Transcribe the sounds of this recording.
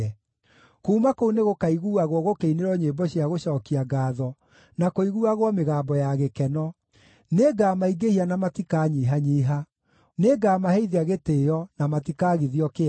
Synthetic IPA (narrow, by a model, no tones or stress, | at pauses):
ɛ | kuumakouneɣokaiɣuaɣwɔɣokeineɾɔɲeːbɔɕiaɣoɕɔːkiaɡaːðɔ | nakoiɣuaɣwɔmeɣaːmbɔjaɣekɛnɔ | neɡaːmaiɡehianamatikaːɲiɦaɲiɦa | neːɡaːmahɛiðiaɣeteːjɔnamatikaɣiðiɔke